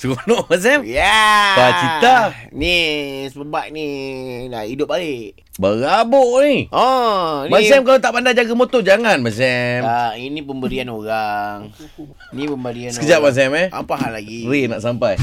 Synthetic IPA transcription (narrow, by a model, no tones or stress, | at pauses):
t͡ʃunoʔmas̬ɛmjabat͡ʃit̪anisəbəbat̪̚nidaidʊp̚baleʔ | bəɣaboʔniɔmasɛmkalat̪aʔpandad͡ʒaɡamot̪od͡ʒaŋanmas̬ɛmainipəmbəɾianoɾaŋ | inipəmbəɾiansəkəd͡ʒaʔ̚mas̬ɛmɛa̰paɦalːaɡiɾinaʔsampaj